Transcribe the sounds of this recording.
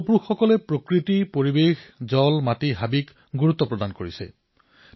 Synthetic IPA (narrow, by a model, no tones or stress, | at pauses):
puxːɔkɔlɛpɹokɹitipoɹibexzɔlmatiɦabik | ɡuɹut̪ːɔpɹɔdankoɹisɛ̰